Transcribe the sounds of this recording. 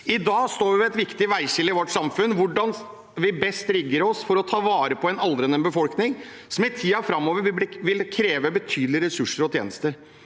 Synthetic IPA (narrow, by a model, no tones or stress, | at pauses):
ɪd̪ɑːst̪oːɾʋɪʋɪɛt̪ʋɪkt̪ɪʋæɪɕɪlːəɪʋɔʈːsɑmfʉnːʋʊɖɑn | ʋɪbɛst̪ɾɪɡːəɾɔsfɔɾɔt̪ʰɑːʋɑːɾəpʰɔɛnɑld̪ɾɛnːənbəfɔlknɪŋ | sɔmɪt̪ʰiːɑfɾɑmːoːʋəɾʋʋɪlkʰɾeːʋəbət̪ʰyːd̪lɪəɾɛsʉʂəɾɔt̪ʰjḛːnəst̪əɾ